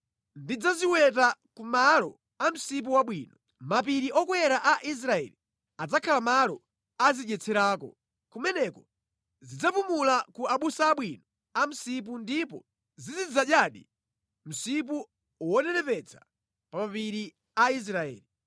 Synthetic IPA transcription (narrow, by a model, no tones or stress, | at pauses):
ndid͡zaziwɛt̬akumalɔ | am̩sip̬uwaɓwiːnɔ | mapiɾiʔɔkwɛɾaʔaʔis̬ɾaɛ̰li | ad͡zakʰalamalɔ | aziɗɛt͡sʰɛɾaːkɔ̰ | kumɛnɛkɔ | zid͡zapumulakuaɓusaːɓwinɔ | am̩sip̬undipɔ̰ | zizid͡zaɗjaɗḭ | m̩sip̬u | wɔnɛnɛpɛt͡sʰḁ | pamapiɾi | ais̬ɾaɛ̰ːli